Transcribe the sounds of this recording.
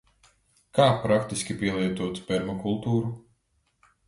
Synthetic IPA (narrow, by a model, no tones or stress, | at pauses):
kaːpɾakt̪iskʲipʲiɛlˠiɛt̪uɔt̪pɛɾmɔkulˠt̪uːɾu